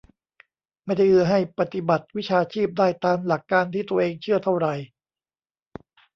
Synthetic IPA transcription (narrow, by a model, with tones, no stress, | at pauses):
ma˥˩jda˥˩jʔɯ˧˩ɐɦa˥˩jpa˧t̪i˨ba˨˩t̪̚wi˦˥t͡ɕʰaː˧t͡ɕʰiː˥˩p̚daː˥˩jt̪aː˧mla˨˩kːaː˧nt̪ʰiː˥˩t̪u˧ɐʔeː˧ŋt͡ɕʰɯ˥˩ɐt̪ʰa˥˩wɾa˧j